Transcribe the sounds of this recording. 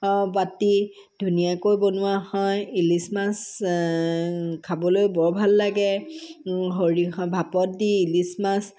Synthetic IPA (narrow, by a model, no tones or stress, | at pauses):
bati | dʱunijakojbonʊahɔjilismas | kʰabɔlojbɔɹbʱalːaɡɛ | ɦoɹibʱapɔt̚diilismas